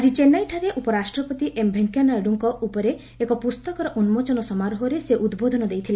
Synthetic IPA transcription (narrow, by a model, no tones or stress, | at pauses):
ad͡ʒit͡ʃenajʈʰaɾeʔupɔɾasʈɾɔpɔt̪iʔembʱeŋkjanaeɽuŋkɔʔupɔɾe | ekɔpust̪ɔkɔɾɔʔunmot͡ʃɔnɔsɔmaɾɔɦɔɾeseʔud̪bod̪ʱɔnɔd̪ejt̪ʰile